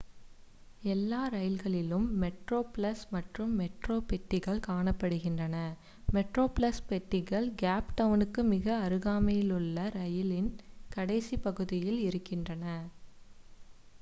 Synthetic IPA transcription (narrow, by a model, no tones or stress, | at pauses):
ɛlːaːɾɐjɪlɣɐɭɪlɯmːɛʈroːpɭɐsmɐʈrɯmːɛʈroːpɛʈːɪɣɐɭkaːɳɐpːɐɽɯɣɪndrɐnɐ | mɛʈroːplɐspɛʈːɪɣɐɭɡaːpʈɐʋnɯkːɯmɪɣɐːɾɯɣaːmɐjɪlɯɭːɐɾɐjɪlɪnkɐɽɐɪsipɐɣɯðɪjɪlɪɾɯkːɪndrɐnɐ